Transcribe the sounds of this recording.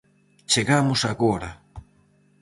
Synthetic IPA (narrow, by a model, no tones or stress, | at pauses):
t͡ʃeɣamʊsaɣoɾa